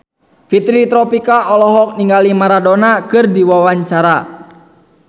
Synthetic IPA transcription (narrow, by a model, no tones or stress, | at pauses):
fit̪ɾit̪ɾɔpikaʔɔlɔɦɔk̚niŋɡalimaɾadɔnakɨrdiwawaɲt͡ʃaɾa